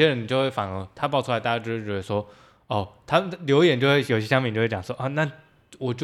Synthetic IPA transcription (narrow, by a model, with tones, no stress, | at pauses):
ɛ˥ɻə˦ni˨˩t͡ɕo˥˧ʊxwe˥˩ɪfa˨˩ŋə˧˦t̪ʰa˥pɑ˥˧ʊʈ͡ʂʰu˥la˧˥ɪa˥˩˥ʈ͡ʂɻ̩˥ɻʈ͡ʂɻ̩˥˩˥ʂwɔ˥ | ɔ˥˩t̪ʰa˥ljo˧˥ʊi˥jɛ˨˩nt͡ɕjo˥˧xwe˥˩jo˨˩i˦ɕjɛ˥ɕɑ˥mpi˧˩t͡ɕo˥˧wt͡ɕɑ˨˩swɔ˥ʔɔ˥˩na˥˩ | wɔ˨˩t͡ɕo˥˧